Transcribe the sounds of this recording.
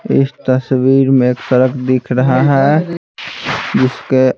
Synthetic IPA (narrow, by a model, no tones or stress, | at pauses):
ɪ̰st̪əswiːɾmẽeːksəɾəkʰd̪ɪkʰɾəɦaɦɛ | d͡ʒɪske